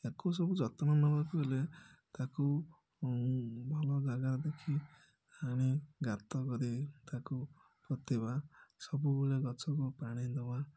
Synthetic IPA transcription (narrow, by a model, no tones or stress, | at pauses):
ekos̬ɔbud͡ʒɔt̪ɔnɔnːɔbakuɦelet̪aku | bʱɔlɔɡaɡaɾd̪ekʰi | aɽ̃iɡat̪ɔkɔɾit̪aku | pɾɔt̪ibasɔbubuleɡɔt͡ʃʰɔkupaɽ̃id̪ɔba